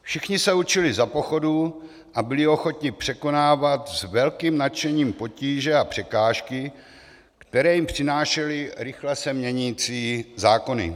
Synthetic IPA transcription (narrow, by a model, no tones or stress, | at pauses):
fʃɪxɲɪsɛut͡ʃɪlɪzapo̞xo̞du | ʔabɪlɪo̞xo̞t̪ɲɪpr̥ɛko̞naːvat̪zvɛlkiːmnat͡ʃɛɲiːmpo̞ciːʒɛapr̥ɛkaːʃkɪ | kt̪ɛɾɛːjimpr̥ɪnaːʃɛlɪɾɪxlɛsɛmɲɛɲiːt͡siːzaːko̞nɪ̰